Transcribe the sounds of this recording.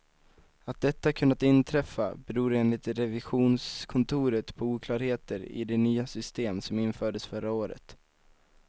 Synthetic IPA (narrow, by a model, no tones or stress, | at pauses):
at̪̚d̪ɛt̪ːakʰɵnːat̪ɪnt̪ʰɾɛfːa̰bɛɾuːɾeːnlɪt̪ɾɛvɪɧuːnskʰɔnt̪ʰuːɾət̪pʰɔuːkʰlɑːɾheːt̪əɾɪ̰d̪ɛnyːasʏst̪eːmsɔmɪnfœːɖəsfœɾaoːɾə̰t̪